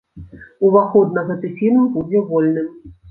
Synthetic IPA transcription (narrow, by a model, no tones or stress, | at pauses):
uvaxɔd̪̚nɐɣɛt̪ɨfʲilʲmbud͡zʲɛvɔlʲnɨm